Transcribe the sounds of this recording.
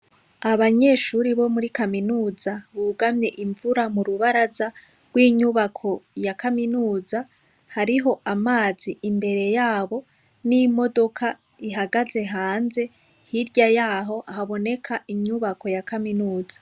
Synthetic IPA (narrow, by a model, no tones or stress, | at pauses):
aβaɲeːʃuɾiβo̞muɾikaminuːzaβuɡamɲe̞ʔiɱvuɾamuɾuβaɾaza | ɡwiːɲuβakʰo̞jakaminuːza | haɾiɦo̞ʔamaːziimbe̞ɾe̞jaːβo̞ | nimo̞do̞kʰa | iɦaɡaze̞ɦaːnze̞ | hiɾɟajaːɦo̞ʔaɦaβo̞ne̞kʰaiɲuβako̞jakaminuːzḁ